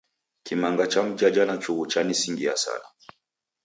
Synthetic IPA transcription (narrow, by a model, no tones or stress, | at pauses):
kimaŋɡat͡ʃam̩d͡ʒad͡ʒanat͡ʃuɣut͡ʃanisiŋɡia̰sa̰na